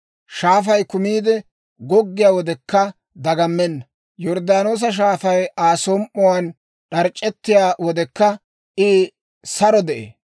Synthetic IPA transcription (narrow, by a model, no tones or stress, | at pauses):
ʃaːfɐjkʊmiːd̪ɛ | ɡɔɡːɪjaːwɔd̪ɛkːɐ | d̪ɐɡɐmːɛnːɐ | jɔɾd̪aːnoːs̬ɐʃ̬aːfɐjaːsoːmʔɔwan | ɗɐɾt͡ʃʼːɛt̪ːɪjaːwɔd̪ɛkːɐ | ʔɪ | sɐɾɔd̪ɛʔḛː